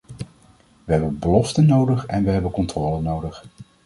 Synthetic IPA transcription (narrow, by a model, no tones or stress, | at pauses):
ʋəɦɛbənbəlɔftənːowdəχɛ̰nʋəɦɛbənkɔntrɔːlənowdəχ